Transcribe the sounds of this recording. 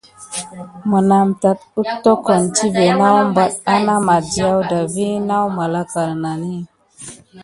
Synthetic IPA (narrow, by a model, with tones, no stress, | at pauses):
mə˨na˨mta˨t̚u˦tːo˦ko˨nti˦ve˨na˦wm˦ba˦t̚a˦na˦ma˨di˨a˦wda˨vi˦na˦wma˨la˦ka˨ɾna˨ni˦